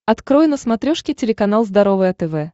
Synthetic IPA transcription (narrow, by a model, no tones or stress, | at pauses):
ɐt̪kɾojɪnəsmɐt̪ɾʲoʂkʲɪtʲɪlʲɪkɐnɑlˠzd̪ɐɾovɨjɐt̪ɛvɛ